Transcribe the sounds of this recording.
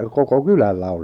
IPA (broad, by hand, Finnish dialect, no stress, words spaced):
koko kylælːæ on̞